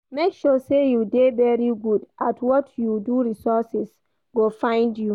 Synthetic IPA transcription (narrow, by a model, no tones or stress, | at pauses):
mekʃɔsejudevɛɹiɡudʔatʰwɔtʰjuduɹisɔsɛs | ɡofãɪ̃ndju